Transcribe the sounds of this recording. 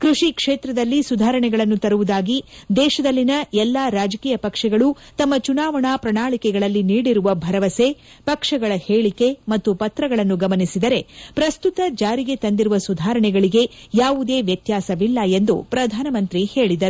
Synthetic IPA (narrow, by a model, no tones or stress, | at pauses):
kɾuʂikʂeːt̪ɾɐd̪ɐlːisud̪ʱaːɾɐɳɛɡɐɭɐnːut̪ɐɾuʋud̪aːɡid̪ɛːʃɐd̪ɐlːinɐɛlːaɾaːd͡ʒɐkiːjɐpɐkʂɐɡɐɭut̪ɐmːɐt͡ʃunaːʋɐɳaːpɾɐɳaːɭikɛɡɐɭɐlːiniːɽiɾuʋɐbʱɐɾɐʋɐse | pɐkʂɐɡɐɭɐheːɭike̞mɐt̪ːupɐt̪ɾɐɡɐɭɐnːuɡɐmɐnisid̪ɐɾe̞pɾɐst̪ut̪ɐd͡ʒaːɾiɡe̞t̪ɐnd̪iɾuʋɐsud̪ʱaːɾɐɳɛɡɐɭiɡe̞jaːʋud̪e̞ːʋjɐt̪jaːsɐʋilːɐe̞nd̪ṵpɾɐd̪ʱaːnɐmɐnt̪ɾihe̞ːɭid̪ɐɾu